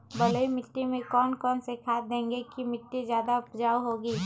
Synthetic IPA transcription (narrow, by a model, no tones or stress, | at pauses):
bələimɪʈːimẽkɔːnkɔːnsekʰaːt̪d̪ẽːŋɡekimɪʈːid͡ʒjaːd̪aʊpd͡ʒaːwɦoːɡiː